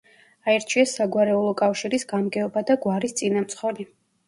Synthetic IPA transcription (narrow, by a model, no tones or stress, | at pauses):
aɛɾt͡ʃʰiasaɡwaɾɛulˠɔkʼafʃiɾisɡamɡɛɔbad̪aɡwaɾist̪sʼinamt̪sʰχɔli